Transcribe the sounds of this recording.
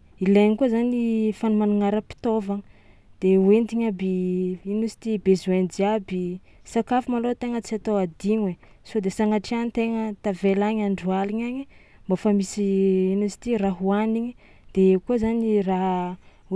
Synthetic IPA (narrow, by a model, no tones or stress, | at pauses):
ileɲikuzanifanumanuŋaɾəpi̥t̪ovaŋə | d̪̥ewend̪iɲabiinusi̥t̪ibezuend͡ziabi | sakafimalot̪eŋət͡siat̪oad̪iɲe | sod̪esaŋaʈ͡ʂianit̪eŋət̪avelaɲaɳɖ͡ʐualiɲaɲimbafamisiinusi̥t̪iraɦuaniɲi | d̪̥eekuəzaniraɦ